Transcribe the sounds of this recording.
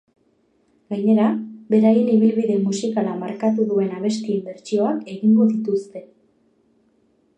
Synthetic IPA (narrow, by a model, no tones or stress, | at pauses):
ɡaɲe̞ɾabe̞ɾajeniβ̞ilβiðe̞musikalamaɾkat̪uðue̞naβ̞e̞st̪iembe̞ɾt͡ʃioake̞ɣiŋɡoðit̪ust̪e̞